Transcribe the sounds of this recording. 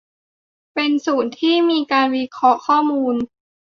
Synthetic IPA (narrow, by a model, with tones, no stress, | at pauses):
pe˧nsuː˨˩nt̪ʰiː˥˩miː˧kaː˧nwi˦˧˥kʰɾɔ˦˥kʰɔː˥˩muː˧n